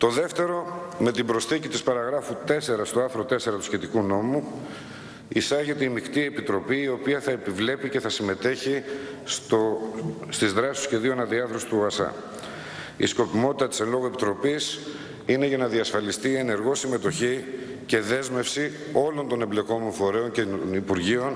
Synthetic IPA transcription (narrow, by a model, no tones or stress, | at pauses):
t̪o̞ðe̞ft̪e̞ɾo̞me̞t̪ibɾo̞sθicit̪ispɐɾɐɣɾɐfut̪e̞se̞ɾɐst̪oɐɾθɾo̞t̪e̞se̞ɾɐt̪u̥sçe̞t̪ikuno̞mu | isɐʝet̪eimikt̪ie̞pit̪ɾo̞piːio̞piɐθɐepivle̞pice̞θɐsime̞t̪e̞çi | st̪izðɾɐsi̥usçe̞ðioenɐðiɐθɾosi̥t̪uɐsɐ̰ | isko̞pimo̞t̪it̪ɐt̪i̥se̞nlo̞ɣoe̞pit̪ɾo̞pis | ine̞ʝɐnɐðiɐsfɐlist̪ie̞ne̞ɾɣo̞sime̞t̪o̞çi | ce̞ðe̞zme̞fsi | o̞lo̞nt̪o̞nemble̞ko̞moɱfo̞ɾe̞o̞ncnipuɾʝio̞n